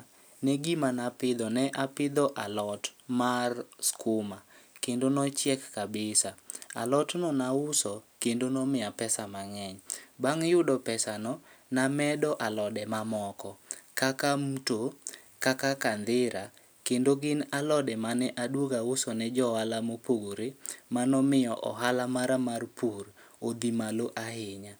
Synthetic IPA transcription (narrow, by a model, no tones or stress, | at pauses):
nɛɡimanapɪd̪ɔnɛʔapɪd̪ɔʔalɔtmarskʊmakendonɔt͡ʃjɛkːabɪsaa̰lɔtnɔnaʊsɔkendonɔmɪapɛsamaŋɛɲbaŋjʊdɔpɛsanɔ | namɛdɔʔalɔdɛmamɔkɔkakamuto | kakakand̪ɪɾa | kendoɡɪnalɔdɛmanɛʔadwoɡaʊsɔnɛd͡ʒɔalamopoɡoɾemanɔmɪjɔʔɔɦalamaɾamarpur | od̪imaloʔahɪɲa